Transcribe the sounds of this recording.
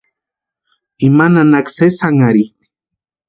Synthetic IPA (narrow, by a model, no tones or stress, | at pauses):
imananaksesaŋaɾi